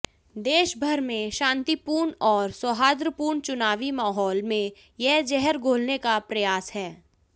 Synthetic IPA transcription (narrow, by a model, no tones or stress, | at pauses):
d̪eːʃbʱɐɾmẽʃãːnt̪ipuːɾɳɔːɾswəɦaːd̪ɾəpuːɾɳt͡ʃʊnaːʋimaːɦɔːlmẽ | jɛd͡ʒɛɦɛɾɡʱoːlnekapɾɐjaːshɛː